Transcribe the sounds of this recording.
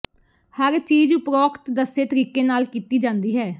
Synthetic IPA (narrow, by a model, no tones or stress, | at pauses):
həɾt͡ʃiːd͡ʒpɾɔːkt̪d̪əseːt̪əɾiːkeːnaːlkiːt̪iːd͡ʒãːnd̪iːɦɛː